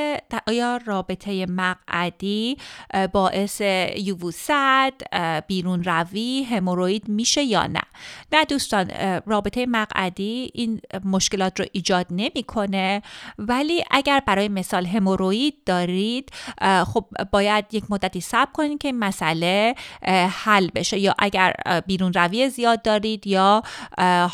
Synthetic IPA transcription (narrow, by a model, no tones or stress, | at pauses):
ʔɒːjɒːrɒːbe̞t̪ʰeje̞mæɣʔæd̪iːbɒːʔe̞se̞juvusæd̪̥b̥iːɾuːnɾæviːɦe̞moɾoiːd̪miːʃe̞jɒ̰ːnæ̰næd̪uːst̪ɒːnrɒːbe̞t̪ʰejemæɣæ̰d̪iːinmo̞ʃke̞lɒːt̪ʰɾoʔiːd͡ʒɒːd̪ne̞miːkʰo̞ne̞væliːʔæɟæɾbæɾɒːjeme̞sɒːlɦe̞moɾoiːd̪̚ːɒːɾid̪̥xob̥̚ːɒːjæd̪jecʰmod̪ːæt̪ʰiːsæb̥̚kʰo̞niːd̪̚cʰe̞inmæsæle̞ | hælːbe̞ʃe̞jɒ̰ːʔæɟæɾbiːɾuːnɾæviːezijɒːd̪ːɒːɾiːd̪jɒː